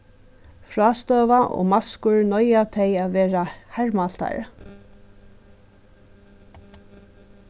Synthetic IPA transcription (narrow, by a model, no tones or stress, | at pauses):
fɹaːst̪œːʋaʔɔ̰maskʊɹnɔjat̪ʰɛjaðʋɛːɹahɛɹmalt̪a̰ɹ̰